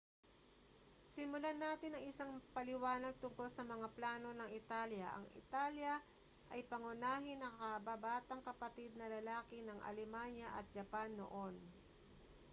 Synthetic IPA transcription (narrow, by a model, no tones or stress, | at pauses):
sɪmʊlanaːt̪ɪnɐŋɪsaŋpɐlɪwaːnɐɡ̚t̪ʊŋko̞lsɐmɐŋaplaːno̞nɐŋɪt̪aljɐʔɐ̰ŋʔɪ̰t̪aːljɐ | ʔɐjpɐŋʊnaːɦɪnɐkɐkɐbabaːt̪ɐŋkɐpɐt̪ɪd̪̚nɐlɐlaːkɪnɐŋʔɐ̰lɛmanjɐʔɐ̰t̪̚d͡ʒɐpanːo̰ʔo̞n